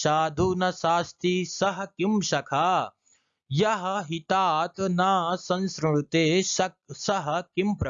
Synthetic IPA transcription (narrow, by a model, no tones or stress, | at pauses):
ʃaːd̪ʱuːnɐʃaːst̪ʰisɐɦɐkimʃɐkʰaː | jɐɦɐɦit̪aːt̪naːsɐ̃nskɾɽut̪eːɐsɐɦɐ̆kimpɾɐ